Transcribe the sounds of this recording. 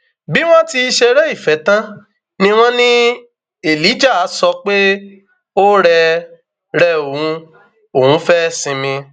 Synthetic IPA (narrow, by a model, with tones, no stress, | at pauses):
bi˦w̃ɔ̃˦ti˧ʃɛ˧ɾɛ˦i˦˨fɛ˨˦tã˦ | nĩ˦w̃ɔ̃˦nĩ˦ | e˨li˨˦d͡ʒa˦˨a˨˦sɔ˧k͡pe˦ | o˦ɾɛ˧ | ɾɛ˧˦o˨ũ˧˦ | o˨hũ˨˦fɛ˦sĩ˧mĩ˧